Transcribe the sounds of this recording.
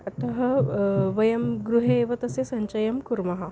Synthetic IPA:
ɐt̪ɐɦɐʋɐjɐmɡɾuɦeːʋɐt̪ɐsesɐɲt͡ʃɐjɐmkuɾmɐɦɐ

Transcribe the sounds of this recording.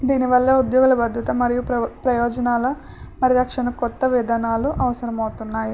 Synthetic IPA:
d̪iːniʋɐlːɐːud̪jɔːɡulɐbɐd̪ʱɐt̪ɐmɐɾijupɾɐjɔːd͡ʒɐnaːlɐ | mɐɾiɾɐkʂɐnɐkɔt̪ːɐʋɛd̪aːnaːluʔɐʋɐsɐɾɐmɐwt̪unːaːji

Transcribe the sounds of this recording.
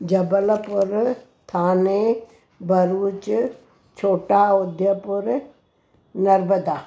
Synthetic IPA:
d͡ʒɐbəlpʊɾ | t̪ʰaːne | bəɾuːt͡ʃ | t͡ʃʰoːʈaʊd̪jəpʊɾ | nɐɾbəd̪aː

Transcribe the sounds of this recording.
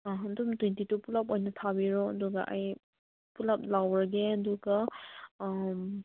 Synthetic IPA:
dumtwentitupulap̚ojnɐtʰabiɾoɐduɡɐ̰ʔaj | pulap̚lawɾɐɡeɐduɡɐ

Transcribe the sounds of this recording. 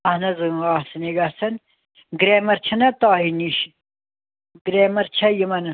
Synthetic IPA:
ɐhnɐzɨŋaːsɐneɡɐsɐn | ɡɾeːmɐɾt͡ʃʰɐnɐt̪aːɦiniʃ | ɡɾeːmɐɾt͡ʃʰɐjimɐnɐ

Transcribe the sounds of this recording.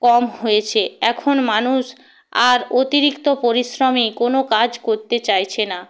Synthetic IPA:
kɔmɦojet͡ɕʰeɛkʰonmanuʃ | aɾot̪iɾikt̪opoɾiʃɾomikonokad͡ʑkoɾt̪et͡ɕajt͡ɕʰena

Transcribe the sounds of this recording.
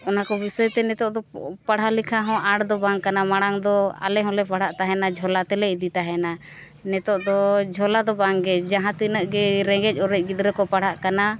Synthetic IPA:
ɔnakɔbisɔjt̪ɛnɛt̪ɔʔd̪ɔpaɽ̤ɦalikʰaɦɔ̃ʔaɽd̪ɔbaŋkanamaɽ̃aŋd̪ɔa̰lɛɦɔ̃lɛpaɽ̤aʔt̪aɦɛnad͡ʒʱɔlat̪ɛlɛid̪it̪aɦɛna | nɛt̪ɔʔd̪ɔd͡ʒʱɔlad̪ɔbaŋɡɛd͡ʒaɦãt̪inəʔɡɛɾɛ̃ɡɛc̚ˀɔɾɛc̚ɡid̪ɾɛkɔpaɽ̤aʔkana

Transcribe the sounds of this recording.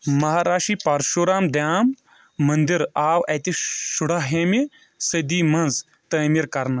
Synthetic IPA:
mɐɦaːɾaːʂiːpaɾʃoːɾaːmd̪jaːmː | ɐnd̪iɾaːwɐt̪iʃuɽaɦeːmi | sɐd̪iːmɐ̃nz | t̪əːmiɾkɐɾnɐ

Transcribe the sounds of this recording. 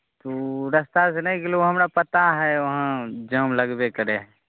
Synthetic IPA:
t̪oɾəst̪as̬enəɦĩklooɦɐmɾapət̪aɦɛʋɐɦə̃d͡ʒəmləɡbekəɾeɦɛ̃

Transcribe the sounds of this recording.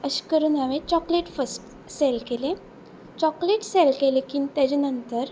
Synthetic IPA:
əɕi̥kəɾuːnaʋẽt͡ɕɔkleʈfəsʈ | selkelẽ | t͡ɕɔkleʈselkelekint̪jat͡ɕenənt̪əɾ

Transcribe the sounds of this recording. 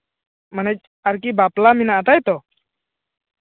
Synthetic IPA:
mənɛc̚ | aɾk̬ibaplaminaʔat̪ajt̪ɔ

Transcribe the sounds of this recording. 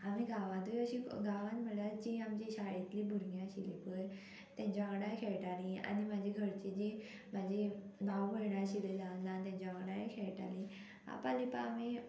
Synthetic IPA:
amiɡaʋãd̪əɕiɡaʋãnm̤əɽat͡ɕiamt͡ɕiɕaɭit̪libʱuɾɡjãɕilepəj | t̪jãɲt͡ɕaʋɽajkʰeɭʈalĩa̰nimad͡ʑʱeɡʱəɾt͡ɕed͡ʑe | mad͡ʑʱenawbəjɳaɕiled͡zanlãt̪̬jãɲt͡ɕaəɽaekʰeɭʈa̰li | a̰pãlipaːmi

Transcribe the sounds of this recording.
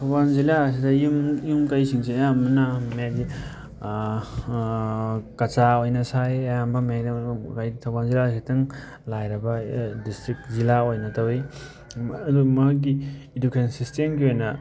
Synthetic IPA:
tʰawanzilas̬idɐjumjumkajsiŋseɐjamɐnamadi | kɐt͡ʃaojnɐsajɐjambɐmakajitʰawbanzilasitɐŋ | lajɾɐbɐdistɾik̚zilaojnɐtawi | dumɐɦaɡ̬iːdukʰesnsistemkiojnɐ

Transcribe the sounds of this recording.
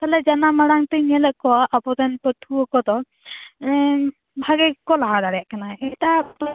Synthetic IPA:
t̪alɛd͡ʒanamaɽaŋt̪iɲɛlɛʔkɔaʔapɔt̪anpət̪ʰuɔkɔt̪ɔ | bʱaɡɛkɔlaɽaɽɛjaʔkanaɛt̪a

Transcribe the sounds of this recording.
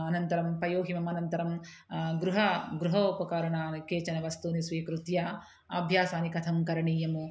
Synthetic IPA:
ɐnɐnt̪ɐɾɐmpɐjoːɦimɐmɐnɐnt̪ɐɾɐm | ɡɾuɦɐɡɾuɦɐupɐkaːɾɐɳaːnkeːt͡ʃɐnɐʋɐst̪uːnisʋiːkɾut̪jaː | ɐ̰bʱjaːsaːnikɐt̪ʰɐmkɐɾɐɳiːjɐmu

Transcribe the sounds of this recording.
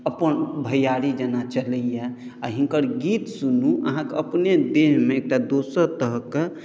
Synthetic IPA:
əpənbʱəjaɾid͡ʒənat͡ʃələjɛ | aɦiŋkəɾɡit̪sunuʔə̰ɦãkeəpned̪eɦmeek̚ʈad̪osəɾt̪əɦəkːe

